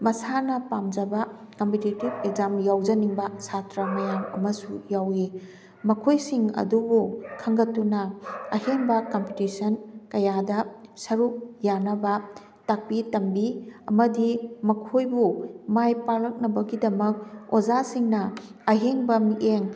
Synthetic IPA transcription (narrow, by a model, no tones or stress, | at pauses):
mɐsanɐpamd͡ʒɐbɐkɐmpititibekzamjawd͡ʒɐniŋbɐsatɾɐmɐjaŋɐ̰mɐsujawi | mɐkʰojsiŋɐ̰dubukʰːɐŋɡɐtːunɐɐheŋbɐkɐmpitisɐnkɐjadɐsɐɾuk̚janɐbɐ | tak̚pitɐmbiɐmɐdimɐkʰojbumajpalɐk̚nɐbɐɡidɐmɐk̚ozasiŋnɐɐɦeŋbɐmiʔeŋ